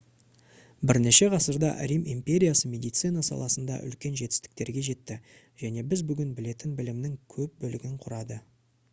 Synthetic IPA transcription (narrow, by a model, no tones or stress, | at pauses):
bɪɾne̞ʃe̞ʁʰɑsəɾd̪ɑ̰ʔɾʲimimpʲe̞ɾʲijasəmʲe̞d̪ijt̪sɨjnɑsɑ̰lˠɑsənd̪ɑ̰ʔʏ̰lkʲe̞nʒe̞t̪ɪ̥st̪ɪ̥k̚t̪e̞ɾɡʲe̞ʒe̞t̪ːɪ | ʒ̥æne̞bɪzbʏɡʲɪnbɪle̞t̪ɪnbɪlɪmnɪŋkʲʰɵp̚bɵlɪɡʲɪɴqʰʊɾɑd̪ə